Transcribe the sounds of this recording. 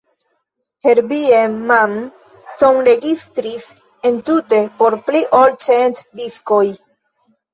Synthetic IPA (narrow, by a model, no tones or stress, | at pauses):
heɾbieman | sonɾeɡist̪ɾis | ent̪ut̪epoɾpliʔolt͡ʃent̪d̪iskoj